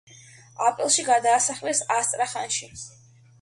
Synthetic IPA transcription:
apʼɾilˠʃiɡad̪aːsaχlɛsast̪ʼɾaχanʃi

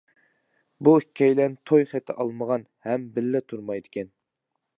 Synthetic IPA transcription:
buikʲʰːɑjlɛnt̪ʰojχɛt̪ʰɛʔɑlˠməʁɑnhɛmbɪlːɛt̪ʰuɾmɑjd̪ɪkʲʰɛn

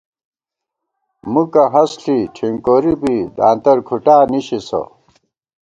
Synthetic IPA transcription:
mukɐɦɐsɬiʈʰiŋkoːɾibid̪a̰ːnt̪ɐɾkʰuʈaːniɕisɐ̰

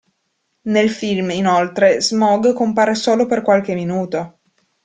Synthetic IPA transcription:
nelfilminolt̪ɾezmɔɡkompaːɾesoːloperkwalk̟eminuːt̪o

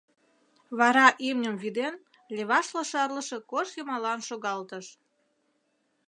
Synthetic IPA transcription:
βɑɾɑʔimnʲəmvid̪en | lʲeβɑʃlɑʃɑrlə̆ʃe̽koʃjəmɑlɑnʃoɣɑlt̪əʃ

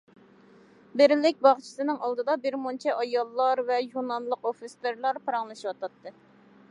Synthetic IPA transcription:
bɪɾɪlɪk̚ʲbɑʁt͡ʃʰi̥sɨnɨŋɑlˠd̪ɨd̪ɑbɪɾmont͡ʃʰɛʔɑjɑlˠːɑɾvɛjunɑnlˠəqofɨst̪eɾlˠɑɾpɨɾɑŋlˠɨʃiwɑt̪ʰɑt̪ːɨ

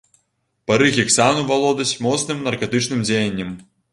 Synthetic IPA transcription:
paɾɨɣʲɛksanuvalˠɔd̪ɐsʲmɔt̪snɨmnɐrkat̪ɨt͡ʂnɨmd͡zʲejɐnʲːɐm

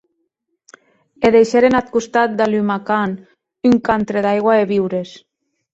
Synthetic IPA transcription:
eðejʃeɾenat̪̚kust̪at̪̚d̪alymakan | yŋkant̪ɾeðajɣwaeβiwɾes

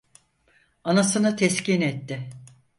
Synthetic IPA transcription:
anasɯnat̪ʰɛscinɛt̪ːɪ

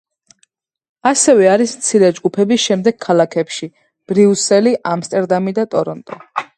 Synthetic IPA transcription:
asɛvɛaɾismt̪sʰiɾɛd͡ʒɡupʰɛbisʃɛmd̪ɛɡ̥̚kʰalˠakʰɛpʃi | b̥ɾiusɛliʔamst̪ʼɛɾd̪amid̪at̪ʼɔɾɔnt̪ʼɔ

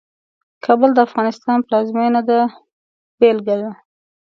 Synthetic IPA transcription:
kʰɑbəld̪əafɣɑnɪst̪ɑnplɑzmenad̪a | b̥elɡaza

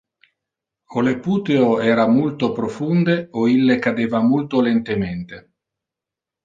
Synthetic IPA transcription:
olepuːt̪eoɛːɾamolt̪opɾofund̪eoilːekad̪eːvamolt̪olent̪ement̪e

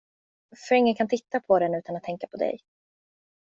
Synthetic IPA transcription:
fœɾɪŋːənkʰant̪ʰɪt̪ːapʰɔd̪ɛnʉ̟ːt̪anat̪ʰːɛŋkapʰɔd̪ɛ̰j

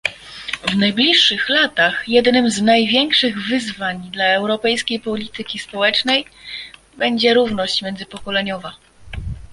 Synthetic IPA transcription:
vnajblʲiʂːɘxlat̪axjɛd̪nɘmznajvʲjɛŋkʂɘɣvɘzvaɲd̪laɛwɾɔpɛjskʲejpɔlʲit̪ɘkʲispɔwɛt͡ʂnɛj | bɛɲd͡ʑɛɾuvnɔɕt͡ɕmʲjɛnzɘpɔkɔlɛɲɔva

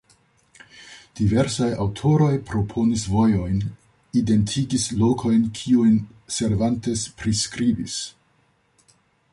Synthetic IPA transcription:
d̥ive̞ɾsajawtʰo̞ɾo̞jpɾo̞pʰo̞nisvo̞jo̞jn | ide̞ntʰiɡislo̞kʰo̞jnkʰiujn | se̞ɾvante̞spɾiskɾibis

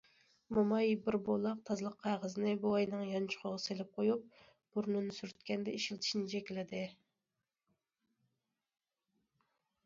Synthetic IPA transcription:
mɑmɑjbɪɾbolˠɑq̚t̪ʰɑzlˠəqʰːæʁəzɨnɪbuɑjnɨŋjɑnt͡ʃʰʊ̥χʰoʁɑselɪp̚qʰojup̚ | b̥uɾnɨnsyɾyt̪kʲɛnd̪ɛiʃilt̪ʰi̥ʃinɪt͡ʃʰɛkʲilɪd̪ɪ

